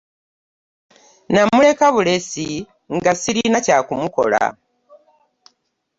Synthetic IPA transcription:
namule̞kaβule̞si | ŋɡasiɾinacakumuko̞̰la̰

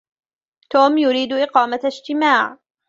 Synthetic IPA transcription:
t̪oːmjʊɾiːd̪ʔɪqɑːmaɪd͡ʒt̪ɪmaːʕ

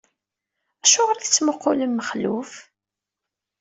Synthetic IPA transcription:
æʃʊʁəɾθət͡sːmoqːʊləmːəχlṵf

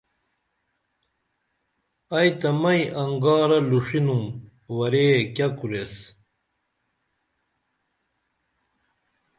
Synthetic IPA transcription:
ɐjt̪ɐmɐjʔɐŋɡaːɾɐluʂinum | wɐɾekʲɐkuɾes

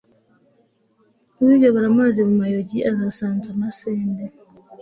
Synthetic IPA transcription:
uid͡ʒɔβɔɾamazimumajɔd͡ʒiʔazasantanasɛːndɛ

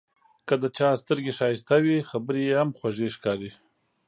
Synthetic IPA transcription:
kəd̪ət͡ʃɑst̪əɾɡeʃɑjɪst̪awixabəɾejehamxwaʒeʃkɑɾi

